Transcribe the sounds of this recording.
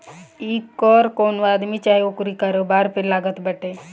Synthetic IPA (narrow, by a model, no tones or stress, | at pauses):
ikːɔːɾkoːnʋaːd̪mit͡ʃaːɦeokɾikəɾobaːɾpʰɪɾlaːɡət̪bəʈe